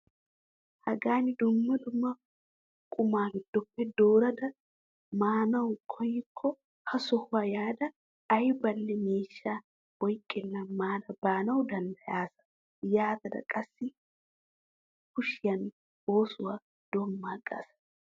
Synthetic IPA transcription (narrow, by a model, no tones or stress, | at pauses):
hɐɡaːnɪd̪ʊmːɐd̪ʊmːɐ | kʼʊmaːɡɪd̪̥ːɔpːɛd̪oːɾɐd̪ɐ | maːnɐwkʰɔjːɪkʰːɔ | hɐsɔhʊwaːjaːd̪ɐː | jbɐlːɛmeːʃːaː | bɔjkʼːɪnːɐmaːd̪ɐbaːnɐwd̪ɐnd̪ɐjaːsɐ̥ | jaːt̪ɐd̪ɐ̰kʼɐsːɪ | kʊʃɪjɐn | oːsʊwa | d̪̥ɔmːaːɡa̰ːsɐ̥